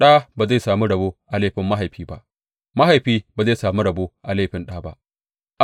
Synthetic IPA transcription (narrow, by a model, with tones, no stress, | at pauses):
ɗaː˦baː˨za˦˨jsaː˨mu˦ɽɐ˨boː˦ʔa˨leː˦˨ɸɪ˨mːa˦ɦa˨jɸiː˦ba˦ʔ | ma˦ha˨jɸiː˦baː˨za˦˨saː˨mu˦ɽɐ˨boː˦ʔa˨le˦˨ɸɪ˦nɗaː˦ba̰˦ʔ | ʔ